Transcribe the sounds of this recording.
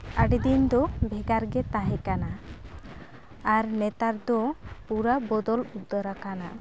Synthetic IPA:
aʈid̪ind̪ɔbʱɛɡaɾɡɛt̪aɦɛkana | ɾnɛt̪aɾd̪ɔpuɾabɔd̪ɔlud̪ːɔɾakana

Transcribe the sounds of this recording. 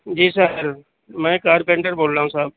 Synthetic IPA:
d͡ʒiːsəɾ | mɛ̃ːkaːɾpẽːɳʈəɾboːlɾaːɦũsaːb̚

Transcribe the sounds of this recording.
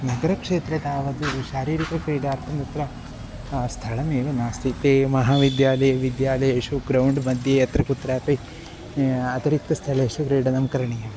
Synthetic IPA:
nɐɡɐɾɐkʂeːt̪ɾet̪aːʋɐd̪uʃaːɾiːɾikɐkɾiːɖɐːɾt̪ʰɐmd̪ɐt̪ɾɐ | st̪ʰɐɭɐmeːʋɐnaːst̪ʰit̪eːmɐɦaːʋid̪jaːlɐjɐʋid̪jaːlɐjɐʃuɡɾɐwɳɖmɐd̪ʱjejɐt̪ɾɐkut̪ːɾaːt̪ɐ | ɐt̪ɐɾik̚t̪ːɐst̪ʰɐɭɐʂukɾiːɽɐnɐmɐkɐɾɐɳɐjɐm

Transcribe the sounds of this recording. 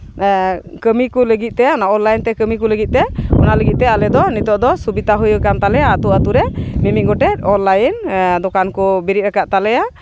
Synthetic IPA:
kəmikuləɡit̪̚ˀt̪ɛɔnaʔɔnlajnt̪ɛkəmikuləɡit̪̚t̪ɛɔ̰naləɡit̪̚t̪ɛalɛd̪ɔnit̪ɔʔd̪ɔsubit̪aɦujkamt̪alɛjaːt̪uat̪uɾɛmimiʔɡɔʈɛt̪̚ɔnlajnd̪ɔkankubiɾit̪̚ɾɛkaʔt̪alɛja

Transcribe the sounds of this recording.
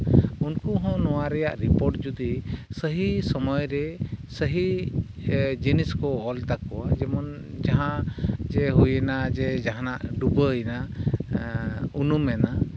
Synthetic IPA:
unkuɦɔ̃nɔwaɾɛjaʔɾipɔɾʈ̚d͡ʒud̪isəɦisɔmɔjɾɛsəɦi | d͡ʒiniskɔɔlt̪akːɔwad͡ʒɛmɔn | d͡ʒaɦãd͡ʒɛɦujɛnad͡ʒɛd͡ʒaɦanaʔɖubəjna | unumɛna

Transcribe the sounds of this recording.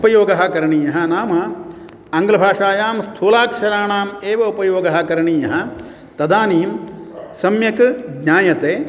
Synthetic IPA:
pɐjoːɡɐɦɐkɐɾɐɳiːjɐɦɐ̆naːmɐ | ɐŋɡlɐbʱaːʂaːjaːmst̪ʰuːlaːkʂɐɾaːɳaːmeːʋɐupɐjoːɡɐɦɐ̆kɐɾɐɳiːjɐɦɐ̆ | t̪ɐd̪aːniːmsɐmjɐkɡɲʲaːjɐt̪eː

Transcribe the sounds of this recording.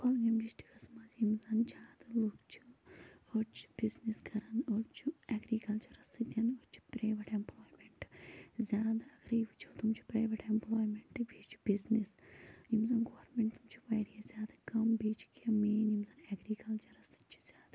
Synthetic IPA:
kolɡimd͡ʒisʈi̥kɐsmɐzjimzɐnt͡ʃʰaːd̪ɨlukt͡ʃʰu̥ot͡ʃʰu̥b̥izneskʰɐɾɐnot͡ʃʰuɛɡɾiːkɐlt͡ʃɐɾɐsɨt̪ʲɐnɐt͡ʃʰu̥pɾeːjʋɐʈemploːjmeɳʈzʲjaːd̪aɐkʰɾiiʋut͡ʃʰut̪umt͡ʃʰu̥pɾɐjʋeʈemploːjmeɳʈbeːt͡ʃʰu̥biznesnimzɐːnɡoːɐɾmeɳʈt̪umt͡ʃʰu̥ʋɐjɾijɐzʲaːd̪akɐmbeːt͡ʃu̥kʰemeːnimzɐːnɛɡɾiːkɐlt͡ʃɐɾɐsɨ̥t͡ʃʰu̥z̥ʲaːd̪a

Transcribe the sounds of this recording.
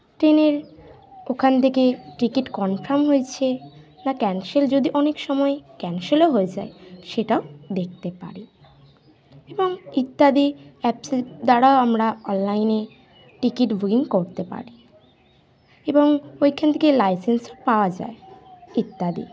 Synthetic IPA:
ʈɾeneɾ | okʰant̪ʰekeʈɾikiʈkɔnpʰɾamɦojt͡ɕʰe | nakɛnʃeld͡ʑod̪iʔɔnekʃɔmɔekɛnʃeloɦoed͡ʑaeʃeʈaod̪ek̚ʰt̪epa̰ɾi | eboŋit̪ːad̪iɛpsed̪aɾaoamɾaɔnlajne | ʈikiʈbʱuɡiŋkoɾt̪epa̰ɾi | eboŋojkʰant̪ʰekelajsensopaoad͡ʑa̰eit̪ːad̪ḭ

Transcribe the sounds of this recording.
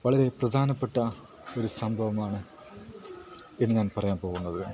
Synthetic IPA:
ʋɐɭɐɾe̞prɐd̪ʱaːnɐpːeʈːɐ | o̞ɾusɐmbʱɐʋɐmaːɳɨ | enːɲaːnpɐrɐjaːnpoːɣunːɐðɨ

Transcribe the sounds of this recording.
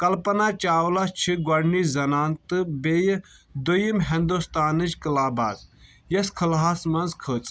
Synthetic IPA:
kɐlpɐnaːt͡ʃaːwlast͡ʃʰiɡɐɾnizɐnaːnt̪ɨbeːjd̪ujimɦind̪ust̪aːnɨd͡ʒkəlaːba̰ːd̪ | jɐskʰɐlaaːsmɐnzkʰəːt͡s

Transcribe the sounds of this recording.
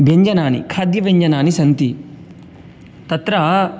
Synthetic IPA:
ʋjɐɲd͡ʒɐnaːnḭkʰaːd̪jɐʋjɐɲd͡ʒɐnaːnisɐnt̪i | t̪ɐt̪ɾɐ

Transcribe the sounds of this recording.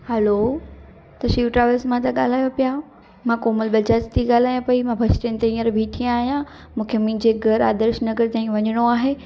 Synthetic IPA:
hɛloː | t̪ɐʃiːʋʈɾaːʋəlsmãt̪aɠaːl̤aːjopijaːõ | mãkoːməlbɐt͡ɕaːt͡ɕt̪ʰiɠaːl̤aːjãpɐimãbʱɐʃʈenɪt̪eĩːəɾbʱiʈʰiãaːɦijã | mũːkʰemĩd͡ʑeɡʱɐɾa̰ːd̪əɾʃnɐɡəɾt̪ãːɦĩkʰʋɐɲəɽ̃oaːɦeː

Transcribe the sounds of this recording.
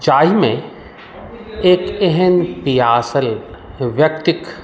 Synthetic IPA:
d͡ʒaːimẽ | eːkɛɦɛnpijaːsəlʋjɐkt̪ɪk

